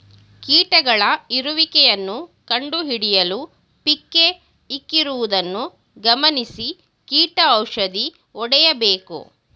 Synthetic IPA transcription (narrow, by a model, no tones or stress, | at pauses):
kiːʈɐɡɐɭɐiɾuʋikɛjɐnːukɐɳɖuɦiɽijɐlu | pikːe̞ | ikːiɾuʋud̪ɐnːu | ɡɐmɐnisi | kiːʈɐɐwʂɐd̪i | ɔɽɛjɐbeːkṵ